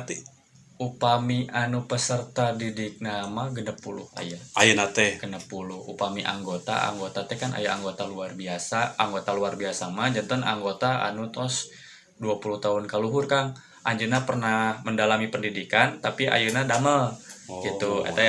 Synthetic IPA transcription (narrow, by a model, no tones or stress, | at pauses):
t̪i | upamiʔanupəsərt̪adidik̚namaɡənəpːulʊ̰ha̰jaajunat̪ɛɡənəpːulʊhṵpamiʔa̰ŋɡot̪a̰a̰ŋɡot̪at̪ɛkanʔa̰jaʔaŋɡot̪aluarbiasaaŋɡot̪aluarbiasamad͡ʒant̪ɔna̰ŋɡot̪aa̰nut̪ɔs | duapuluht̪aɦʊnkaluɦʊrkaŋ | ʔaɲd͡ʒunapərnahməndalamipəndidikant̪apiʔa̰junadaməlɡiuḛt̪a